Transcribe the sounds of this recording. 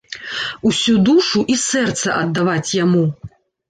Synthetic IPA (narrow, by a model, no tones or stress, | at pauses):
usʲud̪uʂuʔisɛrt̪sɐʔɐd̪ːavat͡sʲjamu